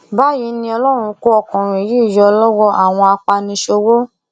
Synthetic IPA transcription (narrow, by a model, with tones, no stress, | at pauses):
ba˨˦ji˨˦nĩ˧ɔ˧lɔ˦ɾ̃ũ˧˦ko˦ɔ˧kɔ̃˨ɾ̃ĩ˨ji˦˨jɔ˧lɔ˦wɔ˦ʔa˨w̃ɔ̃˧a˧k͡pa˧nĩ˧˦ʃo˧wo˦